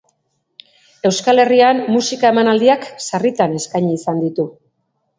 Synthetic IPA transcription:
e̞wskale̞riammusikae̞manald̪iaksarit̪ane̞skajɲːsand̪it̪u

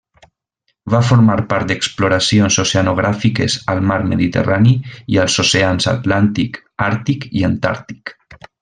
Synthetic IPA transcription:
βafoɾmaɾpaɾt̪d̪eksploɾasionsoseanoɣɾafikezəlˠmaɾməðit̪ḛraniiəlˠsoseansa̰t̪lant̪ik | aɾt̪ikiant̪a̰ɾt̪i̥k

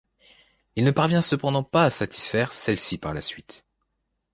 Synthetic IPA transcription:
ilnəpaʁvjɛ̃səpɑ̃d̪ɑ̃paːsat̪ʰi̥sfɛʁsɛlsipaʁlasɥit̪

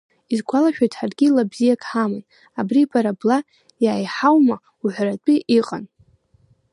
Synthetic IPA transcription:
izɡʷalaʃᶣajtʰʼħarɡʲilabzijakʰʼħamɨn | abriːpʰʼaɾabla | jaːjħawma | uħʷrat͡pʷʼiʔiqʼa̰n

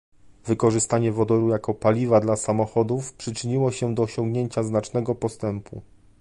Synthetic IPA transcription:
vɘkɔʐɘst̪aɲɛvɔd̪ɔɾujakɔpalʲivad̪lasamɔxɔd̪ufpʂɘt͡ʂɘɲiwɔɕɛd̪ɔːɕɔŋɡɲeɲt͡ɕaznat͡ʂnɛɡɔpɔst̪ɛmpṵ

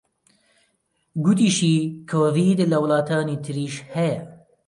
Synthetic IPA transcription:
ɡut̪iːʃiːkʰoɾiːd̪ɨlɐwlɑːt̪ʰɑːniːt̪ʰɨɾiːʃhɛjɛ

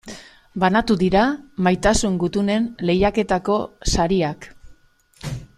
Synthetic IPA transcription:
banat̪uðiɾamajt̪asuŋɡut̪une̞nle̞jake̞t̪ako̞saɾiak

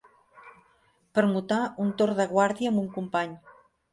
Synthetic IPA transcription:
pəɾmut̪aunt̪oɾðəɣwaɾðiəːmbuŋkumpaɲ

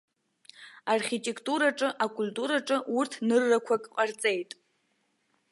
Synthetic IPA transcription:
arχʲitʼe̞kʼʰtʼuɾaʈ͡ʂʼɨʔakʼultʼuɾaʈ͡ʂʼɨurtʰnɨrːakʷʰakʼqʼart͡sʼe̞jtʼ

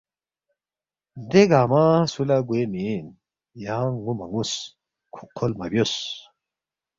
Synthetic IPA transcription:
d̪eɡaːmasulaɡuemin | jaŋːumɐŋus | kʰu̥qʰolmabjos

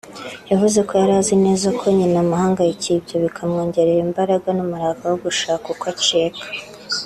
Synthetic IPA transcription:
javuze̞ko̞jaɾaːzine̞ːzakʰo̞ɲinamuhaːŋɡajicibɟoβikʰamŋoːɲɟe̞ɾeɾimbaɾaɡanumuɾaɡawoɡuʃaːkukwat͡ʃekḁ

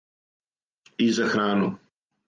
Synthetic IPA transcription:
iːzɐxɾaːnu

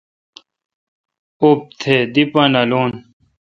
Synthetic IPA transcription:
op̚t̪ʰed̪ipɐnɐloːn

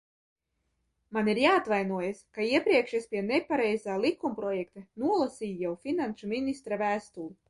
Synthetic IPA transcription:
maniɾjaːat̪vajnuɔjaskaiɛpɾiɛkʃaspʲiɛnɛpaɾɛjzaːlˠikːumpɾɔjɛkt̪anuɔlˠasiːjjawfʲinanʃuminʲist̪ɾavæːst̪ulˠu

